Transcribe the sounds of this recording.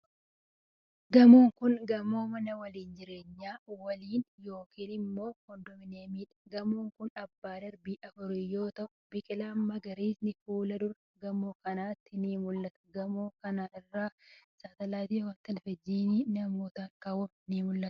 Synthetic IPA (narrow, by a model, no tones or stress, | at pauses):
ɡɐmoːŋkʊnɡɐmoːmɐnɐwɐliːnd͡ʒɪɾe̞ːɲːaːwɐliːnjo̞ːkiːnɪmːo̞ːhɔnd̪ɔmɪneːmiːᶑɐ̥ɡɐmoːŋkʊnɐbːaːdɐɾbiːʔɐfʊɾɪjo̞ːt̪ɐʔʊbɪkʼɪlaːmːɐɡɐɾiːsnɪfuːlɐd̪ʊɾɐɡɐmoːkɐnaːt̪ːɪniːmʊlːɐt̪ɐ̥ɡɐmoːkɐnaːɪrːaːsaːt̪ɐlaːt̪iːwɐt̪ːɐnfɛd͡ʒːiːniːnɐmoːt̪ɐːŋkɐwʊ | niːmʊlːɐt̪